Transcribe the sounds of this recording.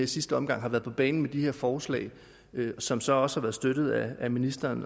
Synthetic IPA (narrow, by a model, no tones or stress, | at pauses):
ɐisisd̥əɒ̽mɡ̥ɑ̈ŋɦɑ̈ʋæːɐð̩ˠpʰɒ̽b̥ɛ̰ːnn̩med̥ihe̝ɐfɒːslɛ̰ːɪ | sɒ̽msɒ̽ɒ̽sə̥hɑ̈ʋæːɐðˠsd̥øɾ̥ð̞̩ˠææminisd̥ɐːn